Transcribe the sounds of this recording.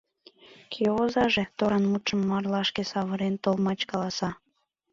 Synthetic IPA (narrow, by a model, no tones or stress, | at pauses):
kʰeozɑʒet̪oɾɑnmut̪ʃəmːɑrlɑʃkesɑβəɾent̪olmɑt͡ɕkɑlɑsɑ